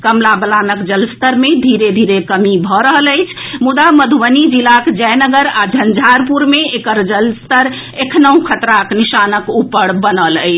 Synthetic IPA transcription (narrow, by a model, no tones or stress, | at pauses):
kəmlabəlanəkd͡ʒəlst̪əɾmed̪ʱiɾed̪ʱiɾekəmibʱɔɾəɦələjt͡ʃʰmud̪aməd̪ʱuwənid͡ʒilakd͡ʒəjnəɡəɾad͡ʒʱənd͡ʒʱaɾpuɾmeekəɾd͡ʒəlst̪əɾ | ekʰnəũkʰət̪ɾaknisanəkupəɽbənələ̰ɪt͡ʃʰ